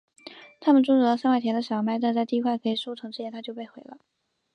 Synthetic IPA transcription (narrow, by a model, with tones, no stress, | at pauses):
t̪ʰa˥mə˨nʈ͡ʂu˥ʈ͡ʂu˥˩lə˧˥sa˥nwa˥˩ɪjɛ˧˥nd̪ə˧ɕjɑ˨˩ʊma˥ɪt̪a˥˧nt͡sa˥˧ɪt̪i˥˧kʰwa˥˩ɪkʰɤ˧˥i˨˩ʂu˥˩ʈ͡ʂʰɤ˧˥ŋʈ͡ʂɻ̩˥˩jɛ˥nt̪ʰa˥t͡ɕjʊpe˥˩ɪxwe˧˥ɪlə̰˧